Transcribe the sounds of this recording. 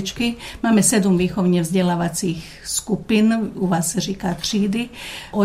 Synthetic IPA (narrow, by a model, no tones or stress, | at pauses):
t͡ʃkimaːmɛsɛd̪umʋiːxɔʊɲɛvzɟɛlaːʋat͡six | skupinuʋaːsːaʒiːkat̪riːd̪iʔɔ